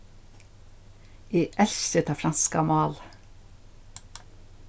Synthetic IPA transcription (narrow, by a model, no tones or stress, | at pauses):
iːʔɛlʃət̪ʰɑːfɾɑnskɑ̰mɑːl